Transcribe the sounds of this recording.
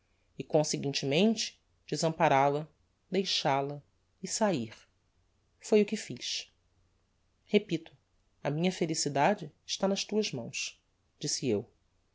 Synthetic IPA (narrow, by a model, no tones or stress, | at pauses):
ɪkõseɡĩnt͡ʃɪmẽnt͡ʃɪ̥ | d͡ʒɪzɐ̃mpaɾalɐ | d̪ejʃalɐ | ɪsaiχ | fojʊkɪfiʃ | hepit̪ʊ̥ | ɐmĩɲɐfelisid̪ad͡ʒɪːʃt̪anɐʃt̪uɐzmɐ̃w̃s | d͡ʒisɪew